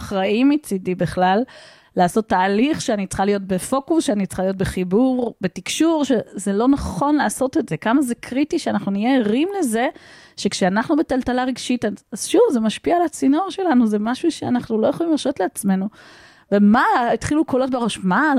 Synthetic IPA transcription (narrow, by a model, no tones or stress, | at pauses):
χʁaimit͡sidibiχlalː | aːso̞tːaːliχʃeanit͡sχalijo̞t̚be̞fo̞kusʃeanit͡sχaliot̬̚beχibuʁbetikʃuʁʃezelo̞naχo̞nlaːso̞te̞tze̞kamazekʁitiʃeanaχnunijeːʁimle̞ze̞ʃe̞kʃeanaχnubetaltalaʁeɡʃitaazʃuvzemaʃpialat͡sino̞ʁʃe̞lanuze̞maʃuʃeanaχnulo̞jeχolimlaʃo̞tleat͡sme̞nu | vemaitχilukolo̞t̚beʁo̞ʃma